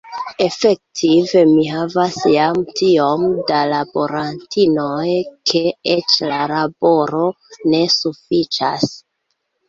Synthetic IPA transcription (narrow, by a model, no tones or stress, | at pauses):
e̞fe̞k̚tʰive̞miɦavasjamtʰio̞mdalabo̞ɾantʰinojkʰe̞et͡ʃlalabo̞ɾo | ne̞sufit͡ʃa̰s